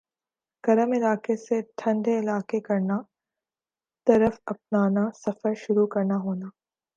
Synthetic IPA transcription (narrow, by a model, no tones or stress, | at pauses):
kɐɾəmɪlaːkeseʈʰɐ̃ɳɖeɪlaːkekɐɾna | t̪ɐɾəfɐp̚naːnasɐfəɾʃʊɾukɐɾnaɦoːnaː